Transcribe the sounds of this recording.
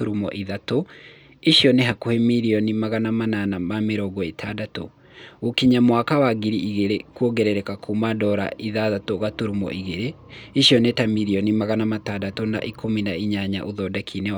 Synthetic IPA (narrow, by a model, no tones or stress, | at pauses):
uɾumɔ̰ʔiðato | iʃjɔnɛɦakuhemiɾiɔnimaɣanamananamameɾɔɡɔetʰadato̰ | ɣokiɲamwakawaɡiɾiʔiɣeɾekwoɡɛɾɛɾɛkakʰumadɔɾa̰ʔiðaðatoɣatuɾumɔ̰ʔiɣeɾe | iʃjɔnɛtamiɾiɔnimaɣanamatadatona̰ʔikʰominaiɲaɲa̰ʔuðɔdakʰinɛ